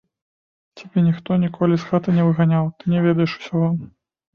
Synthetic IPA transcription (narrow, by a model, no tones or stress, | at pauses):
t͡sʲabʲɛnʲixt̪ɔnʲikɔlʲisxat̪ɨnʲɛvɨɣanʲawt̪ɨnʲɛvʲɛd̪ɐjɛʂu̥sʲɔvɔm